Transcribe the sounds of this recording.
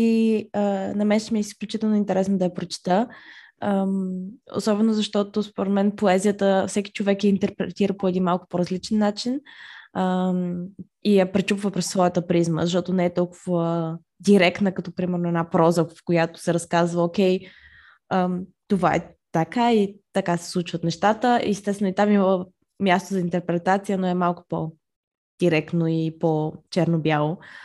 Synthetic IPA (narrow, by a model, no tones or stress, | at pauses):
iənɐmɛnʃɛmiɛisklʲut͡ʃit̪ɛlˠnoint̪ɛɾɛsnod̪ɐjɐpɾot͡ʃi̥t̪ə | o̰sɔbɛnozɐʃt̪ɔt̪ospoɾɛd̪mɛnpoɛzʲijət̪əfsɛkʲi̥t͡ʃovɛkjɐint̪ɛɾpɾɛ̰t̪iɾəpoɛd̪inmalˠkʊ̥poɾɐzlit͡ʃɛnːat͡ʃinə | ijapɾɛt͡ʃupvəpɾɛsːvɔjət̪əpɾizmə̰zɐʃ̬t̪ɔt̪onɛːt̪ɔlˠkʊvə | d̪iɾɛkt̪nəkɐt̪ɔpɾimɛɾnoʊɛdnapɾɔzəvfkojat̪o̥sɛɾɐskazvəokʲɛj | ət̪ovaɛ̰ | t̪ɐkait̪ɐkasɛ̥slˠut͡ʃvət̪nɛʃt̪at̪əʔɛst̪ɛsvɛnʊit̪amiməlˠə | mjast̪ozɐint̪ɛɾpɾɛt̪at̪sijənoɛmalˠkʊ̥po | d̪̥iɾɛkt̪noipot͡ʃɛɾnobjalˠo